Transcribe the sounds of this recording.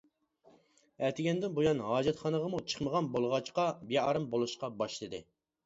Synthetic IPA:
ɛt̪ʰɪɡʲɛnd̪ɪnbojɑnɦɑːd͡ʒɛt̪χɑnəʁɑmut͡ʃʰə̥χməʁɑnbolˠʁɑt͡ʃqɑbeɑɾɨmbolˠuʃqɑbɑʃlˠɨd̪ɨ̰

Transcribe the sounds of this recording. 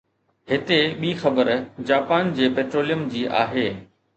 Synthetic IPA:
ɦɪt̪eɓiːxɐbəɾd͡ʑaːpaːnd͡ʑeːpeːʈɾoːlijəmd͡ʑiːʔa̰ːɦeː

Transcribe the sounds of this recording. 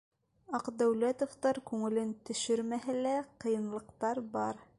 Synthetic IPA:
ɑqd̪æwlæt̪ŏft̪ɑɾkʉŋɘ̆lɘnt̪ɵ̆ʃɘɾmæɦælæqɤ̆jɤ̆nlˠɤ̆qt̪ɑɾbɑɾ

